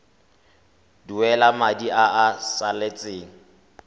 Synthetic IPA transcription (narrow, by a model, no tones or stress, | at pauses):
duwɛlamadiaasalet͡sʼeːŋ̩